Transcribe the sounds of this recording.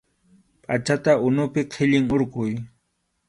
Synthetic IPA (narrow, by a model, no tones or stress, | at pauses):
pʼat͡ʃat̪aʔʊnʊpɪqʰɪʎɪŋoɾqʊj